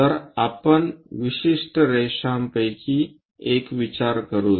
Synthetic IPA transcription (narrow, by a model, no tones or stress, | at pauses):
əɾapənʋiɕiʂʈəɾeɕampəjkʰi | ekʋit͡ɕaɾkəɾuː